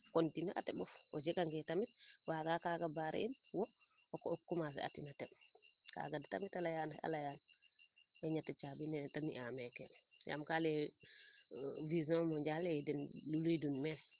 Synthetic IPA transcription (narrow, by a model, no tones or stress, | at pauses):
kontinɛʔa̰tɛɓɔfɔd͡ʒɛkaŋɡɛtamit̚waɡakaɡabaɾɛ̰ʔinwɔɔkɔːkːumafɛ̰ʔa̰tinatɛ | ka̰ɡadɛta̰mitalajana̰lajana | bɛɲatɛt͡ʃabinɛtanḭʔamɛkɛ̰ | ja̰mkalɛ | vizɔ̃mɔɲd͡ʒalɛdɛnlulujdunmɛ